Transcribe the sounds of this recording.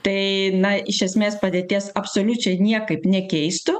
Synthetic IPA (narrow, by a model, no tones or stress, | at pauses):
t̪ɐɪnɐɪʃʲɛsʲmʲeːspɐd̪ʲeːt̪ʲiːsɐpsoːlʲʊt͡ʃʲɛɪnʲiɛkɐɪpnʲɛkʲɛɪst̪ʊ